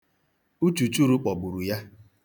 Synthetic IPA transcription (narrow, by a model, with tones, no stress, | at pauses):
u˦t͡ʃu˨t͡ʃu˦ɾu˨˦k͡pɔ˨bu˨ɾu˨ja˦